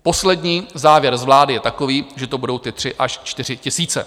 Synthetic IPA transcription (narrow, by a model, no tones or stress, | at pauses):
po̞slɛdɲiːzaːvjɛɾzvlaːdɪjɛt̪ako̞viːʒɛt̪obudo̞wt̪ɪt̪r̥ɪʔaʃt͡ʃt̪ɪr̝ɪcɪsiːt͡sɛ